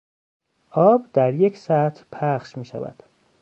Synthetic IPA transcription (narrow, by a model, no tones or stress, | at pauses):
ʔɒːbd̪æɾje̞cʰsæt̪ʰpʰæχʃmiːʃæ̰væ̰d̪̥